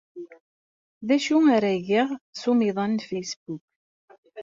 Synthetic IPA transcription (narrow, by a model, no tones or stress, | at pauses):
ðæʃuaɾæʝiʁsumiðˤɑnːfejsbuk